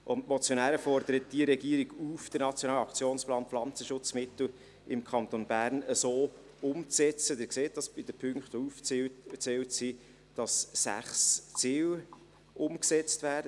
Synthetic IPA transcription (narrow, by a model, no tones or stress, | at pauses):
ʔʊntmɔt͡sjonæːɾəfɔrd̪əɾət̚d̥iəɾɛɡiəɾiɡufd̥əɾnɑt͡sjoɔnɑːlɑkt͡sjoːnsplɑːnflɑnt͡səʃʊt͡smɪt̪l̩ | ɪmkʰɑnt̪onbæːɾnəsoː | ʊmt͡sɛt͡sədɪːɾkseːt̚dɑsb̥ɪd̥əpʰʏŋktouft͡sɛwtsi | d̥ɑsːæ̰χst͡siːw | ʔʊmksɛt͡stvæːɾdə